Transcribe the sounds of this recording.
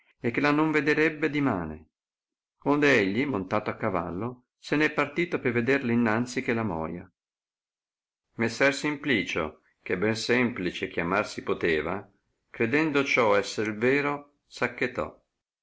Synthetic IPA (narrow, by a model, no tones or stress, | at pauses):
ekːelanoɱved̪eɾɛbːed̪ima̰ːnḛ | ond̪eɛʎːimont̪aːt̪oakːava̰lːo | senɛpːart̪iːt̪opeved̪erlinːant̪sik̟elamɔ̰ːja | mesːɛrsimpliːt͡ʃo̰ | k̟ebːɛnsɛmplit͡ʃek̟jamarsipot̪eːva̰ | kɾed̪ɛnd̪ot͡ʃɔɛsːeɾlveːɾo | sakːet̪ɔ̰